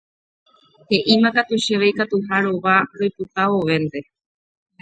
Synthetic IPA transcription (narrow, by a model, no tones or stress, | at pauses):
he̞ʔimãkat̪uʃeʋejkat̪uɦaɾoʋaɾoput̪aoʋẽ̞nd̪e̞